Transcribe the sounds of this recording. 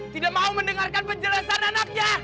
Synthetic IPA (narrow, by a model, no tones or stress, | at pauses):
t̪idak̚mauməndəŋarkanpəɲd͡ʒəlasananak̚ɲa